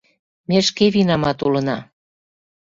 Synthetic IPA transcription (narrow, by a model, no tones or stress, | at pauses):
meʃkeβinɑmɑt̪ulɤnɑ